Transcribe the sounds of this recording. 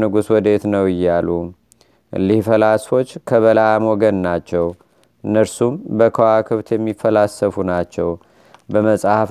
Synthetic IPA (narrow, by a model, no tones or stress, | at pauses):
nɨɡuswɔd̪e̞t̪nəwɪjːalu | lihfəlasfo̞t͡ʃːkʰəβəlaamoɡənnat͡ʃːɛw | ɨnːəɾsumbəkʰəwakʰɨβt̪jɛmːifːəlasːəfunat͡ʃːɛw | bəməsʼahaf